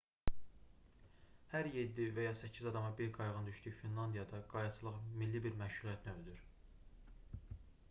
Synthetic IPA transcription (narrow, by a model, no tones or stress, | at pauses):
hæɾje̞d̪ːivæjɑsæcʰːizɑd̪ɑmɑbiɾɡɑjʁɯnd̪yʃd̪yjfinlˠɑnd̪ijɑd̪ɑɡ̥ɑjɑsʰɯlˠɯχmilːibiɾmæʃulˠiæt̪ʰniøld̪yɾ